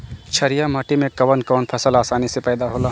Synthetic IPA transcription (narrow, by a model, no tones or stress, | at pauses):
t͡ʃʰəɾijamɐʈimẽkɐʋənkɔːnpʰɐsəlaːsaːnisepɛːd̪aɦoːlaː